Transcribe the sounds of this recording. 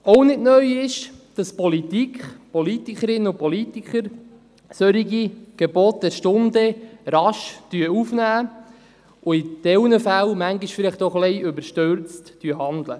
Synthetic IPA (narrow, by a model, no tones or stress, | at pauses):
ownɪdnœjɪʃd̥ɑspɔlit̪ikʰpɔlit̪ikəɾɪnːəʊpɔlit̪ikχəɾ | søɾiɡiɡ̥ɛbɔt̚dɛɾʃtʊndəɾɑʃd̥yəufnæː | ʊid̥ɛwnəfælmæŋɡiʃfɪlɪχtɔχlɛjʏbəɾʃtøɾt͡std̥yəɦɑnd̪lə̰